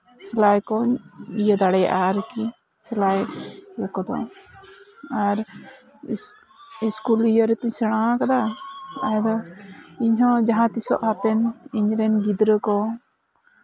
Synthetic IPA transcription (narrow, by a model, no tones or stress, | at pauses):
sɛlajkɔɲijəd̪aɽɛja̰ʔaɾɛki | sɛlajjɔkɔd̪ɔ̰ | aɾ | iskulijəɾɛt̪iɲsɛɽ̃ãkad̪aajd̪ɔiɲɦɔ̃d͡ʒaɦãt̪isɔ̰ʔhapɛniɲɾɛnɡid̪ɾəkɔ